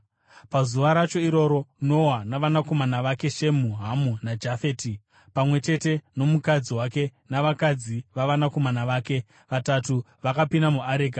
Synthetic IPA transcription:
pazuʋaɾat͡ʃo̞iɾo̞ɾo̞no̞ɦanaʋanako̞manaʋake̞ʃe̞muɦamunad͡ʒafe̞ːti | pamwe̞t͡ʃe̞te̞no̞mukad͡ziwake̞naʋakad͡ziʋaʋanako̞manaʋaːke̞ | ʋatatu | ʋakapinamuaɾeːka

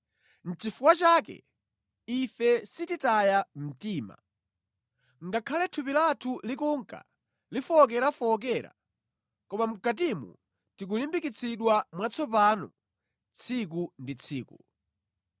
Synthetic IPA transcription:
n̩t͡ʃifukwat͡ʃaːkɛ̰ | ifɛsititajam̩tiːma̰ | ŋɡakʰalɛtʰupilatʰulikuŋka̰ | lifɔːk̬ɛɾafɔːk̬ɛːɾa̰ | kɔmam̩kat̬imṵ | tik̬ulimbikit͡sʰiɗwamwat͡sʰɔpaːnɔ̰ | t͡sʰik̬undit͡sʰiːku

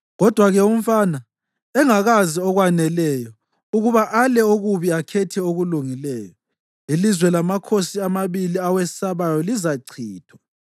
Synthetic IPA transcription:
ɣɔd̥ʱwaɣɛum̩faːna | ɛŋaɣaziɔɣwanɛlɛːjɔ | uɣuβaʔalɛoɣuβiakʰɛtʰɛoɣuluŋilɛːjɔ | ilizwɛlamakʰosiamaβiliawɛsaβajɔlizaǀʰiːtʰwa

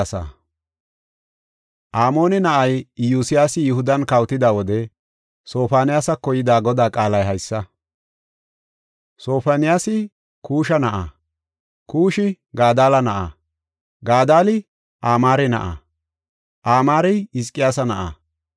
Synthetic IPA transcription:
sɐ̰ | ʔaːmo̞ːnɛnɐʔɐjjuːsɪjaːsɪjʊhʊd̪ɐnkɐwt̪ɪd̪aːwɔd̪ɛ | so̞ːfaːnɪjaːsɐkɔjɪd̪aːɡɔd̪aːkʼaːlɐjɦɐjsːɐ | so̞ːfanɪjaːsɪ | kʰuːʃɐnɐʔa̰ | kuːʃɪ | ɡaːd̪aːlɐnɐʔa̰ | ɡaːd̪aːlɪ | ʔaːmaːɾɛnɐ̰ʔa̰ | ʔaːmaːɾɛjɪs̬kʼːɪjaːsɐnɐʔa̰

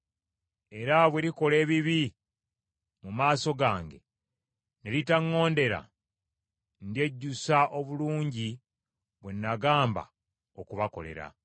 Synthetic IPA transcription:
e̞ɾaβweɾiko̞le̞ːβiβi | mumaːso̞ɡaːŋɡe̞̰ | nelitaŋːo̞ːnde̞ɾa̰ | ndje̞ɟːusaʔo̞βuluːɲɟi | βwenːaɡaːmba̰ | okuβako̞̰le̞̰ɾa̰

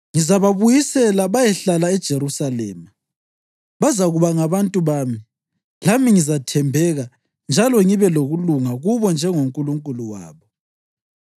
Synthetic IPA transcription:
ŋizaβaβujisɛlaβajɛɬalaɛd̥ʒ̥ʱeɾusalɛ̰ːma | βazaɣuβaŋaβantʼuβaːmi | lamiŋizatʰɛmbʱɛɣa | nd͡ʒʱalɔŋiβɛloɣuluŋaɣuβɔnd͡ʒʱɛŋoŋkʼuluŋkʼuluwa̰ːβɔ

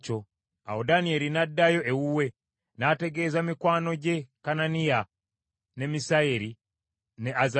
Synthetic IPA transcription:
t͡ʃo̞ | awodanie̞ɾinadːajo̞ʔewuwe̞ | nate̞ɡe̞ːzamikwaːno̞ɟe̞kananija | ne̞misaeɾi | ne̞az

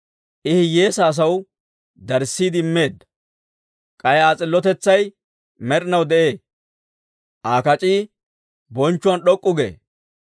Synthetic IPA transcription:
ʔɪhɪjeːsaːs̬ɐw | d̪ɐɾsːiːd̪ɪmːe̞ːd̪ɐ | kʼɐjaːt͡sʼɪlːɔt̪ɛt͡sːɐj | mɛɾɪnɐwd̪ɛʔe̞ː | ʔaːkɐt͡ʃʼiː | bɔnt͡ʃːʊwɐnɗɔkʼːʊɡḛː

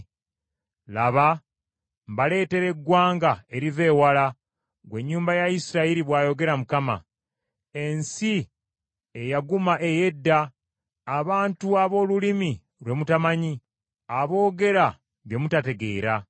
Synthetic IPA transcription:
laβa | mbale̞ːte̞ɾe̞ɡwaːŋɡae̞ɾiveːwala | ɡwe̞ɲːuːmbajaisiɾaiɾiβwaːjo̞ɡe̞ɾamukama̰ | e̞nsi | ejaɡumaʔe̞je̞dːaː | βaːntuaβo̞ːlulimi | lwe̞mutamaɲi | aβo̞ːɡe̞ɾa | βje̞mutate̞ɡe̞ːɾa

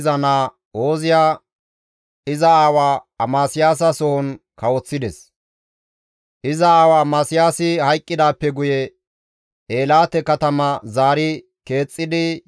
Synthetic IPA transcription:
zɐnaː | o̞ːzɪjaː | ɪzɐaːwaːɐmaːsɪjaːs̬ɐsɔhɔn | kɐwɔt͡sːɪd̪ɛs | ʔɪzɐaːwaːmaːsɪjaːsɪhɐjkʼːɪd̪aːpːɛɡʊjɛ | ʔeːlaːt̪ɛkɐt̪ɐmɐzaːɾɪ | ke̞ːt͡sʼːɪd̪ɪ

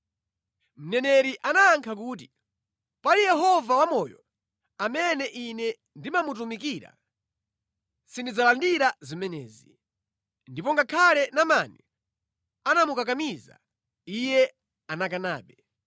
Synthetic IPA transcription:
m̩nɛnɛɾiʔanaːŋkʰak̬uːt̬i | palijɛɦɔvawamɔːjɔ | amɛnɛʔinɛ | ndimamut̬umikiɾa̰ | sindid͡zalandiɾazimɛnɛ̰ːzi | ndipɔŋɡakʰalɛnamaːnɛ | anamukakamiza̰ | ijɛ | anakana̰ːɓɛ

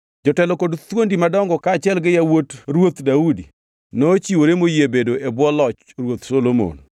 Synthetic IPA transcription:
d͡ʒɔtɛlɔkodt̪wondimadɔŋɡɔkaːt͡ʃɪɛlɡɪjawotɾwot̪daudḭ | not͡ʃiwoɾemojebedoʔebwɔlɔt͡ʃ | ɾwot̪solomo̰n

